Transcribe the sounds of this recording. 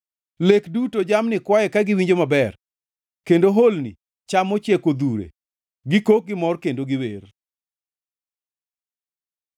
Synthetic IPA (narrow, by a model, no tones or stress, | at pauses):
lekdutod͡ʒamnɪkwajɛkaɡɪwiɲd͡ʒomabɛr | kendoɦolnḭ | t͡ʃamɔt͡ʃekod̪uɾḛ | ɡɪkok̚ɡɪmɔrkendoɡɪwer